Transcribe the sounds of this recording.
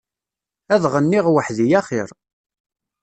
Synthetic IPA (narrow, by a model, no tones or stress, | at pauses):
æðʁənːiʁwəħðijæχɪɾˤ